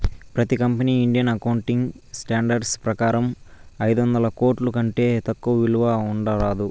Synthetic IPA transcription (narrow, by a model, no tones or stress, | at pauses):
pɾɐt̪ikɐmpɐniːiɳɖijɐnɐkɐwuɳʈiŋɡ | sʈaːɳɖɐɾɖspɾɐkaːɾɐmɐjd̪ʋɐnd̪ɐlɐkoːʈlukɐɳʈe̞ːt̪ɐkːuʋɐʋiluʋauɳɖɐɾaːd̪u